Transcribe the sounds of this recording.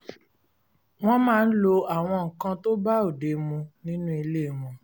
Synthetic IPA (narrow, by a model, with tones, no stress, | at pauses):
w̃ɔ̃˦mãː˦˧n̩˦lo˧a˨w̃ɔ̃˧ŋ̩˨kã˧to˦ba˦o˨de˨mũ˧nĩ˦nũ˦i˧le˦˨mɔ̃˨